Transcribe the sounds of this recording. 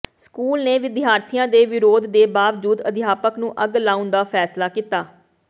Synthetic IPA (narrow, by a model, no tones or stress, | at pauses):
skuːlneːʋɪd̪ɪɦaːɾt̪ʰɪjãːd̪eːʋɪɾoːd̪d̪eːbaːʋd͡ʒuːd̪əd̪ɪjaːpəknũːʔəɡlãːʊnd̪aːpʰɛːslaːkiːt̪aː